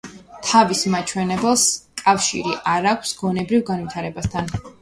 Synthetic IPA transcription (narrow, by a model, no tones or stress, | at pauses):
t̪ʰavismat͡ʃʰwɛnɛbɛlˠskʼafʃḭɾiʔaɾakʷʰsɡɔnɛbɾivɡanvit̪ʰaɾɛbast̪ʰan